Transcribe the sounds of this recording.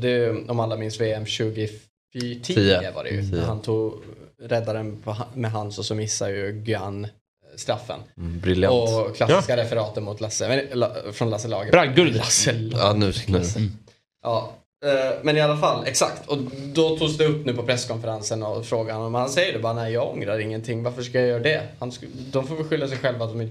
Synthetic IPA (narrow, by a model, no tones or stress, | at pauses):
d̪ɛɔmalːamɪnsveːɛmɕʉ̟ːɡɪ | ʈʰiːəva̰ɾɛ̰jɵ̰hant̪ʰuːɡɾɛd̪ːaɾənpʰɔmɛɦanːsɔsɔmɪsːajɵɡʏanː | st̪ɾafːə̰nbɾɪljaɔkʰlasɪskaɾɛfəɾɑːt̪əɾmʊt̪ʰlasəmɛlfɾɔnlasəlɑːɡəɡɵasnʉ | ʔɑː | mɛnɪalːafalːɛksakt̪ʰɔd̪ɔt̪ʰuːɡsd̪ɛɵpːnʉ̟ːpʰɔpʰɾɛskʰɔnfəɾansənɔfɾoːɡaanɔmhansɛjːəɖɛbɑːɾanɛɪjɑːɡɔŋɾaɾɪŋːənt̪ʰɪŋːvaɾfəʂkajajœːɾaɖɛhans | d̪ɔmfoːvɪlɧʏlːasɛjɧɛlvat̪̚d̪ɔmɪn